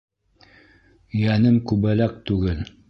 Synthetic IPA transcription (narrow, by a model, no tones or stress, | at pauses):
jænɘmkʉβælæk̚t̪ʉɡɘl